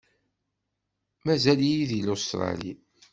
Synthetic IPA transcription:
mæzælijiðilost̪ɾˤɑ̰lḭ

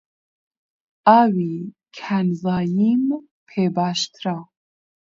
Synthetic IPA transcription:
aːwikʰænzaːjim | pʰebaʃt̪ɾa

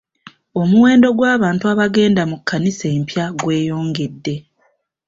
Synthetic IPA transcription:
o̞muwe̞ːndo̞ɡwaːβaːntuaβaɡe̞ːndamukːanise̞ːmpjaɡwe̞ːjo̞ːŋɡe̞dːe̞

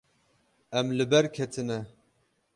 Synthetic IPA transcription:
ɛmlɨbɛɾkʲʰɛt̪ʰɨnɛ

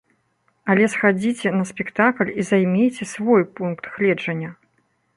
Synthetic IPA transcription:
ɐlʲɛsxad͡zʲit͡sʲɛnɐsʲpʲɛkt̪aklʲizajmʲejt͡sʲɛsvɔjpunkt̪xlʲɛd͡ʐɐnʲːɐ

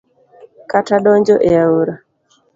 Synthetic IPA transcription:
kataɗɔɲd͡ʒɔʔeauɾa

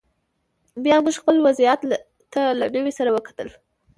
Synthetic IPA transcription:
bjɑmuʒxpəlwazijat̪ | t̪alaɖəwesaɾawəkḁt̪əl

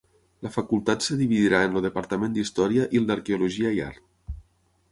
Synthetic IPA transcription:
ləfakulˠt̪at̪səðiβiðiɾaənloðəpəɾt̪əmẽnd̪ist̪ɔɾiəʔilˠd̪əɾkeuluʒiəia̰ɾt̪

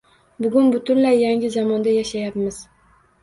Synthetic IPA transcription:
bʊɡʲʊnbʊt̪ʰʊnlajːaŋɪzamɒnd̪ajaʃajapmɪz̥

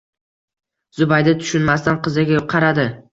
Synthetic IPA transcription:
zʊbajd̪at̪ʰʊ̥ʃʊnmast̪anqɨzɪɡʲajoqʰɑɾad̪ɪ

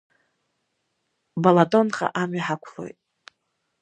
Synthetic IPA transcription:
balatʼonχa̰ʔamɥiħakʷʰlo̰jtʼ

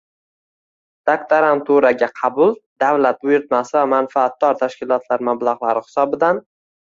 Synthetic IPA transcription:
d̪̥akt̪ʰaɾant̪ʰuɾaɡʲaqʰɑbʊlˠd̪̥avlat̪̚bʊjɪɾt̪̚masɪvamanfaːt̪̚d̪ɒɾt̪ʰaʃkʲɪlˠɒt̪laɾmablˠaʁlˠaɾɪhɪ̥sɒbɪd̪an

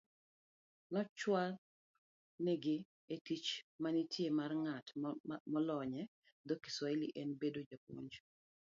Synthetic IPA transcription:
nɔt͡ʃwal | nɛɡɪ | etit͡ʃmanitʰjemarŋatmɔlɔɲɛ | d̪oki̥swɔiliʔɛnbedod͡ʒak̚o̰ɲd͡ʒ

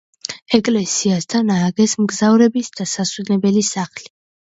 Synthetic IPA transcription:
ɛkʼlɛsiast̪ʰanaːɡɛsmɡzavɾɛbisd̪̥asaswɛnɛbɛlisaχli̥

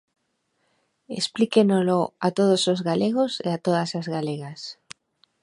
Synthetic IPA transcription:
ḛsplikenoloat̪oð̞osozɣaleɣ̞oseat̪oðasazɣaleɣas

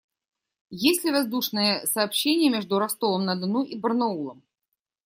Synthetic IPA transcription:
jesʲtʲlʲɪvɐzd̪uʂnɨjəsɐːpɕːenʲɪjəmʲeʐd̪ʊɾɐst̪olˠəmnɐd̪ɨnuʔibərnɐulˠəm

